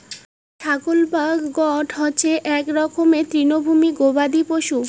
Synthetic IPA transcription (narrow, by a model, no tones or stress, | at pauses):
ʃaɡolbaɡɡɔʈɦɔːt͡ɕʰeʔɛkɾɔkʰomet̪ɾinobʱumiɡobad̪ipoʃu